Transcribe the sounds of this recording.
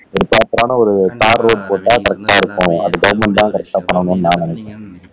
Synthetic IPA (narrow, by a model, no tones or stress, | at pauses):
ɔɾɯpːaːpːɾaːnɐɔɾɯt̪aːɾːoːɖ̚poːʈːaːkɐɾɛk̚ʈaːɪɾɯkːʊ̃ɐðɯɡɐʋɐmɐnt̪ãːkɐɾɐk̚ʈaːpɐɳːɐʋɐŋɡɐnːɯnãːnɪnɛkːẽ